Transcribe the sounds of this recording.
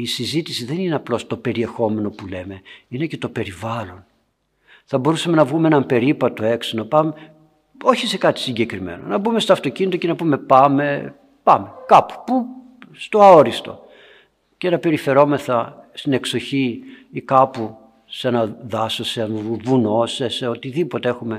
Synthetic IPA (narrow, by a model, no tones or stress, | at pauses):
isizit̪isiðenineɐplo̞st̪o̞pe̞ɾie̞xo̞me̞no̞pule̞me̞ine̞ce̞t̪o̞pe̞ɾivɐlo̞n | θɐbo̞ɾusɐme̞nɐvɣumeenɐmpe̞ɾipɐt̪o̞e̞ksonɐpɐme | o̞çise̞kɐt̪i̥siɲɟe̞kɾime̞̰no̞̰nɐbumest̪oɐft̪o̞cinit̪o̞ce̞nɐpume̞pɐme̞ | pɐme̞kɐpu̥pu | st̪o̞ɐoɾist̪o̞̰ | ce̞nɐpe̞ɾife̞ɾo̞me̞θɐst̪ine̞kso̞çiikɐpu | senɐðɐsoseɐnuvuno̞seseo̞t̪iðipo̞t̪ee̞xume̞